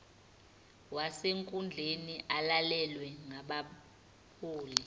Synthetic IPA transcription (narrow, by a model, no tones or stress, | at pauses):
waseŋkʼund͡ɮʱeniʔalalɛlwɛŋaɓa | pʰuːli